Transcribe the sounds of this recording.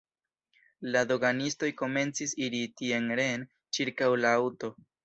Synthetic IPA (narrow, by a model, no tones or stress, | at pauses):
lado̞ɡanisto̞jko̞me̞nt͡sisiɾitie̞nɾe̞n | t͡ʃiɾkawlaawto̞